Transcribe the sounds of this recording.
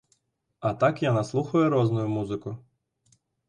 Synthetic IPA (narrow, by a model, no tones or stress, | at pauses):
ɐt̪ɑkjanɐslˠuxʊjɛɾɔznʊjʊmuzɪkʊ